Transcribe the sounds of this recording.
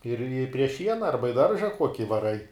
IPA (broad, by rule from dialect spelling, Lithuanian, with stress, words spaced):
ɪr ɪ pʲrʲiɛ ˈʃʲiɛnɐ ɐrbɐ ɪ ˈdɐrʒɐ ˈkuɔkʲɪ ʋɐˈrɐɪ